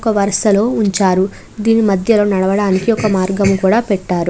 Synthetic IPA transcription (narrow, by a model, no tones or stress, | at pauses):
kɐʋɐɾɐʂɐlo̞ːuɲt͡ʃaːɾu | d̪iːnimɐd̪ʱjɐlo̞ːnɐɽɐʋɐɽaːnikiɔkɐmaːɾɡɐmukuːɽaːpɛʈːaːɾu